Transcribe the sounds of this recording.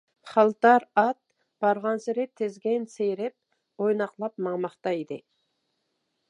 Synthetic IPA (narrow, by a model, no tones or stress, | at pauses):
χɑlˠt̪ɑɾɑt̪̚ | b̥ɑɾʁɑnsɪɾɪt̪ʰɪzɡʲɛnsejɾɪp̚ | ojnɑqlˠɑp̚mɑŋmɑχt̪ɑid̪ɪ